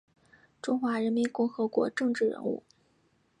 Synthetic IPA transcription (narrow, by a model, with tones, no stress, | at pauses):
ʈ͡ʂʊ˥ŋxwa˧˥ɻə˧˥nmi˧˥nkʊ˥˩ŋxɤ˧˥kwɔ̰˧˥ʈ͡ʂɤ˥˧ŋʈ͡ʂɻ̩˥˩ɻə̰˧˥nṵ˥˩